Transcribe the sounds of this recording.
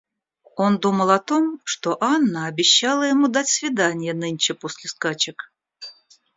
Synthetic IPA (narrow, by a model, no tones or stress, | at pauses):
o̞nd̪uməlˠɐt̪o̞mʂt̪oʔanːəɐbʲɪɕːalˠəjɪmud̪atʲsvʲɪd̪anʲɪjənɨnʲt͡ɕɪposʲlʲɪskat͡ɕɪk